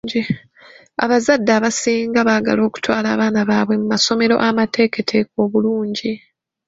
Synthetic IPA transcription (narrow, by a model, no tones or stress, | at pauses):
ɟi | a̰βazadːaːβasiːŋɡaβaːɡa̰lo̞ːku̥twaːlaːβaːnaβaːβwe̞mumaso̞meɾo̞̰ʔamatʰe̞ːke̞tʰe̞ːk̚o̞ːβuluːɲɟi